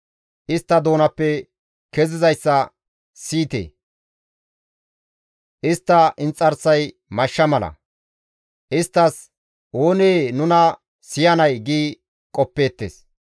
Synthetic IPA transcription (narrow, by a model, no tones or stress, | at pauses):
ʔɪst̪ːɐd̪oːnɐpːɛ | kɛzɪzɐjsːɐ | siːt̪ḛː | ʔɪst̪ːɐʔɪnt͡sʼːɐɾsɐj | mɐʃːɐmɐlɐ̰ | ʔɪst̪ːɐs | o̞ːneːnʊnɐ | sɪjɐnɐjɡiː | kʼɔpːe̞ːt̪ːḛːs